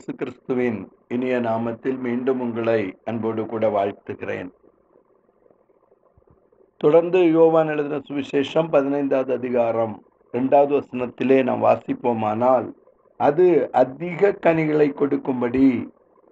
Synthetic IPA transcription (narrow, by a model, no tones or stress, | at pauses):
jeːsɯkɪɾɪst̪ɯʋɪn | ɪnɪjɐnaːmɐt̪ːɪlmiːɳɖɯmʊŋɡɐɭɐɪɐnboːɽɯkuːɽɐʋaːɻt̪ɯɣɪrḛːn | t̪ɔɽɐɾnd̪ɯjoːʋaːnɪɭɐðɪnɐsʊʋɪʃeːʂɐmpɐðɪnɐɪnd̪aːðɯɐðɪɣaːɾɐm | ɾɛɳɖaːʋɐðɯʋɐsɐnɐt̪ːɪleːna̰ːmʋa̰ːsɪpːoːmaːnaːl | ɐðɯɐd̪iɣɐkːɐnɪɣɐɭɐɪkːɔɽɯkːɯmbɐɽi